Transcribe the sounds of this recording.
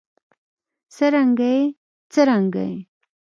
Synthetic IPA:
səɾaŋɡaj | t͡səɾaŋɡa̰j

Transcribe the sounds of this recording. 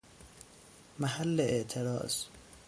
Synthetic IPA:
mæhælːeʔeʔt̪ʰeɾɒ̰ːz̥

